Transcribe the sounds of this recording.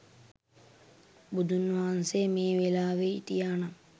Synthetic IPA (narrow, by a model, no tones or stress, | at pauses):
bud̪ʱunːʋaansemeːʋelaːʋeit̪ijaːna